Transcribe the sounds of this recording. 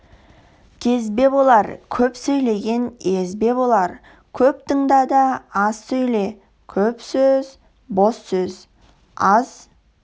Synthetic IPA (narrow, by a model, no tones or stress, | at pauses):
kʲʰe̞zbe̞bo̞lˠɑɾkʲʰɵpsɵjle̞ɡʲe̞nezbe̞bo̞lˠɑɾ | kʲʰɵp̚t̪əŋd̪ɑd̪ɑɑzsɵjle̞ | kʲʰɵpsøz | bo̞sːɵz | ɑz̥